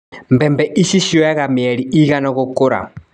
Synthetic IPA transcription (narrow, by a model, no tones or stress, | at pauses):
mbɛmbɛʔiʃiʃijɔaɣamiɛɾiiɣanɔɣokʊɾa̰